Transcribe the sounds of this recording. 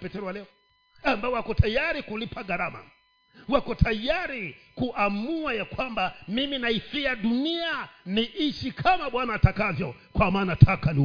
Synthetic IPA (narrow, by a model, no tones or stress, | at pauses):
pɛtɛɾɔwalɛɔ | ambaɔwakɔtajaɾikulipaɡaɾama̰ | wakɔtʰajaɾikuʔamuajakwambamiminaifiaɗunianiʔiʃikʰamaɓwanaːtakavjɔkwamaːnatʰakani